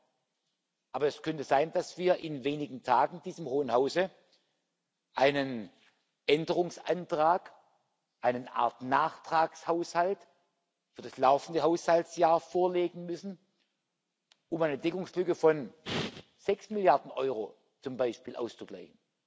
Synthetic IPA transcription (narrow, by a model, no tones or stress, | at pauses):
ʔaːbɐɛskʰœntəzaɪnd̥asv̥iːɐʔɪnveːnɪɡŋ̩tʰaːɡŋ̩d̥iːzəmhoːənhaʊzə | ʔaɪnən | ʔɛndəʁʊŋsa̰ntʁ̥aːk | ʔaɪnənʔa̰ɐtnaːχtʁ̥aːkshaʊshalt | fyːɐdaslaʊfn̩dəɦaʊshaltsjaːɐfoːɐleːɡŋ̩mʏsn̩ | ʔʊmaɪnəd̥ɛkʊŋslʏkəfɔn | z̥ɛksmɪljaɐdn̩ʔɔʏʁo̰ | t͡sʊmbaɪʃpiːlʔa̰ʊst͡sʊɡ̥la̰ɪçn̩